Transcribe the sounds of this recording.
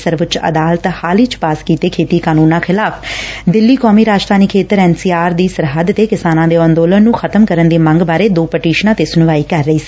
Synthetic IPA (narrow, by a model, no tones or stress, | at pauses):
səɾʋət͡ʃə̰d̪aːlt̪haːliːt͡ʃpaːskiːt̪eːkʰeːt̪iːkaːnuːnãːxʰɪlaːpʰd̪ɪlːiːkɔːmiːɾaːd͡ʒt̪ʰaːnikʰeːt̪əɾɛːnsiːaːɾd̪iːsəɾɦəd̪t̪eːkɪsaːnãːd̪eːɔ̃ːnd̪oːlənːũːxʰət̪əmkəɾənd̪eːməŋɡbaːɾeːd̪oːpəʈiːʃnãːt̪eːsʊnʋaːiːkəɾːəiːsi̥ː